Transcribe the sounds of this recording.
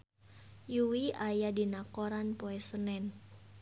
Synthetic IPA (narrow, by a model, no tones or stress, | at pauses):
juwiʔajadinakoɾanpoɛsənɛn